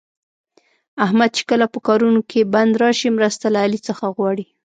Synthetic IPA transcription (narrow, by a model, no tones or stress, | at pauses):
ahmad̪̚t͡ʃe̥kəlapəkɑɾunokʰeband̪ɾɑʃimɾəst̪alaːlit͡səxaɣwɑɽi